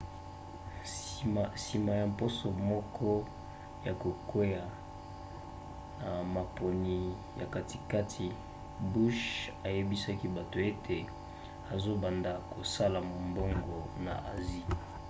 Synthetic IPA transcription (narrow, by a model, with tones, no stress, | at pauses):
si˨ma˨ja˨mpo˦so˨mɔ˦kʰɔ˦ | ja˨ko˨ke˦ja˨ | na˨ma˨pʰo˨ni˨ | ja˨ka˨ti˨ka˦tʰi˨ | bu˦ʃa˨je˦bi˦sa˦ki˦ba˨to˨e˦tʰe˨ | a˨zo˦ba˨nda˨ko˨sa˦la˨mo˨mbo˦ŋɡo˨na̰˨ʔa̰˨zi˦